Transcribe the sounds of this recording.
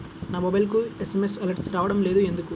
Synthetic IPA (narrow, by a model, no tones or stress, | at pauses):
naːmobɐjlkuesemesɐlɐɾʈsɾaːʋɐɽɐmleːd̪ue̞nd̪uku